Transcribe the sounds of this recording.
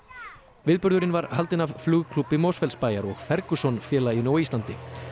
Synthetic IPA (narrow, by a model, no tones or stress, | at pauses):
vɪːðpʏɾðʏɾɪnvaɾhalt̪ɪnavflʏːɣkʰlupːɪmoːwsfɛlspaːjaɾɔɣfɛɾkʏsɔnfjɛːlainoːwiːst̪lant̪ɪ